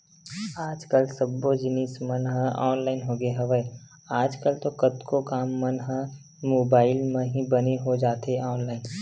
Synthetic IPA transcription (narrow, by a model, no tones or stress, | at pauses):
aːd͡ʒkəlsəbːod͡ʒɪniːsmənɦə̃ɔːnlaːɪnɦoɡeɦɐʋəe | aːd͡ʒkəlt̪okət̪kokaːmːənɦə̃ | moːbaːɪlmẽɦĩbəneɦod͡ʒaːt̪ɦeɔːnlaːɪn